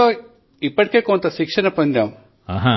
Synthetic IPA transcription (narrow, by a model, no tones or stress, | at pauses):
o | ipːɐʈ̚kekont̪ɐsikʂɐnɐpɐnd̪jɐm | aɦa